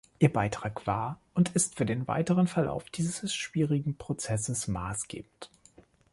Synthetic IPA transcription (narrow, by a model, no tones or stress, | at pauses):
ʔiːɐbaɪtʁ̥aːkv̥aːɐʔʊntʰɪstfyːɐdeːnva̰ɪtəʁənfɛɐla̰ʊfd̥iːzzzəsʃv̥iːʁɪɡŋ̩pʁ̥ot͡sɛsəsma̰ːsɡ̥ḛːb̚m̩n̩t